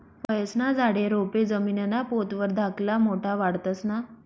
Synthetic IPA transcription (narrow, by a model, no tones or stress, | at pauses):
pəjəsnad͡zʱaɽeɾoped͡zəminenapot̪ʋəɾd̪ʱaklamoʈʰaʋaɽt̪ət͡sna